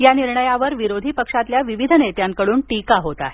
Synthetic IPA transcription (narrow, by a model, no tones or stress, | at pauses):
janiɾɳəjaʋəɾʋiɾod̪ʱiːpəkʂat̪ljaʋiʋid̪ʱənet̪jaŋkəɽuːnʈikaɦot̪a̰ɦe